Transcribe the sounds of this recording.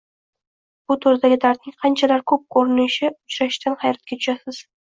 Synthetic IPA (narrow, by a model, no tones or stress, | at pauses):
b̥ʊt̪ʰoɾd̪aɡʲɪd̪ʰaɾt̪̚nɪŋqʰɑnt͡ʃʰalaɾkʰɵp̚kʰoɾɪnɪʃɪʊt͡ʃɾaʃt̪anhɑjɾat̪̚kʲat̪ʊʃasɪz̥